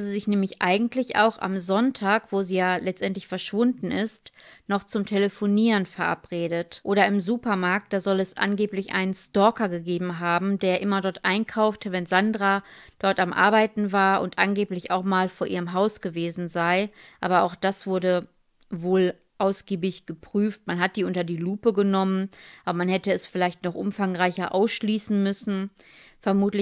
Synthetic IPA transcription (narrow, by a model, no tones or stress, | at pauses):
ziːzɪçnɛːmlɪçʔa̰ɪɡŋ̩tʰlɪçʔa̰ʊxa̰mzɔntʰaːkv̥oːziːjaːlɛt͡stʔɛntlɪçfɛɐʃv̥ʊndn̩ɪstnɔχt͡sʊmtʰeləfoniːʁənfɛɐʔa̰pʁ̥eːdətʔoːɾɐɪmzuːpɐmaɐk̚t̚d̥aːzɔlɛsʔa̰nɡeːplɪçʔa̰ɪnənstɔːkɐɡəɡeːbm̩ɦaːbm̩deːɐʔɪmɐdɔɐtʔaɪnkʰaʊftʰəvɛnzandʁad̥ɔɐtamʔa̰ɐbaɪtn̩vaːɐʊ̰ntʔanɡeːplɪça̰ʊxmaːlfoːɐʔiːʁəmɦaʊsɡ̥əveːzn̩zaɪʔa̰ːbɐaʊxd̥asv̥ʊɐdə | voːl | ʔaʊsɡ̥iːbɪçɡ̥əpʁ̥yːftmanɦat̚d̥iːʊntɐdiːluːpəɡənɔmənʔaːbɐmanhɛtəɛsfɪlaɪçtnɔχʔʊ̰mfaŋʁaɪçɐʔa̰ʊsʃliːsn̩mʏsn̩ | fɛɐmuːtlɪ